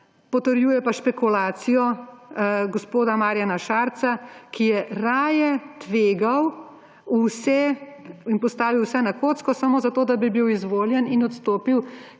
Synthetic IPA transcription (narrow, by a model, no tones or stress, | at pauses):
pɔt̪əɾjuːjɛpaʃpɛkulaːt̪sijɔ | ɡɔspoːd̪amaːɾjanaʃaːɾt̪sakijɛɾaːjɛt̪ʋeːɡaw | usɛinpɔst̪aːʋiwsɛnakoːt̪skɔsamoːzat̪oːd̪abibiwizʋoːljɛninɔt̪st̪oːpiw